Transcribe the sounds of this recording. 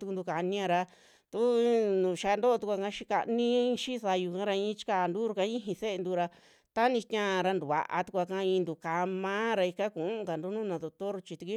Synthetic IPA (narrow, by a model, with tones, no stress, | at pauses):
t̪u˧ku˧nd̪u˧ka˨˧nĩ˦ã˧ɾa˧ | t̪u˦nũ˨ʃa˧nd̪o˦o˧t̪u˧kʷa˧kã˧˦ʃi˦ka̰˧nĩ˦˧ʃi˦˧sa˧ju˧kã˦ɾa˧ĩ˧˦t͡ʃi̥˦ka˧˨nd̪u˦ɾu˧ka˧˦ĩ˦ɦĩ˧se˦e˧nd̪u˧ɾa˧ | t̪a˦nĩ˧t̪ʲã˦˧ɾa˧nd̪u˨βa̰˨ʔa̰˧t̪u˧kʷa˧kã˧ĩ˧nd̪u˧ka˧mã˦ɾa˧i˧ka˦ku˨ʔu˦ʔka˨nd̪u˦nũː˦nã˧d̪o˧t̪o˦ɾt͡ʃi˧t̪u˧ki˦